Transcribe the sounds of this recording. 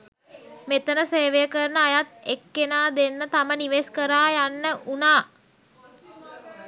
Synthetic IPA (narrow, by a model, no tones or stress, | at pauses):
met̪ənəseːʋejəkəɾənəajat̪ekːenaːd̪enːət̪aməniʋeskəɾaːjanːəʔunaː